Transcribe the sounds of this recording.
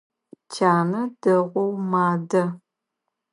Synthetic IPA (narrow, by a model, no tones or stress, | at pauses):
t͡ʃʰaːnɐdɐʁʷɔwmaːdɐ